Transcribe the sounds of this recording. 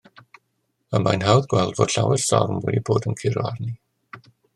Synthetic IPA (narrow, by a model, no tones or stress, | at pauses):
əmajnɦawðɡwɛlˠdvod̥ɬawɛr̥sɔrmwɛ̰diboːdənkʰɪɾɔarni